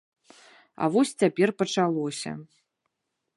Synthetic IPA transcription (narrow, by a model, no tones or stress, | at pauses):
ɐ̰vɔsʲt͡sʲapʲɛrpɐt͡ʂalˠɔsʲɐ̰